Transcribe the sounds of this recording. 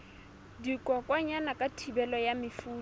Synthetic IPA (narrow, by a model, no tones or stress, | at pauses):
dikʼwɔkʼwaɲanakʼatʰibɛlɔjamɪfuː